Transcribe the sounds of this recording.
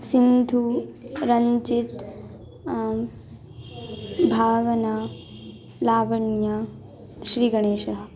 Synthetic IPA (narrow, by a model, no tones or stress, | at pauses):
sind̪ʱuɾɐɲt͡ʃit̪ | bʱaːʋɐna | laːʋɐɳjɐ | ʃɾiːɡɐɳeːʃɐɦɐ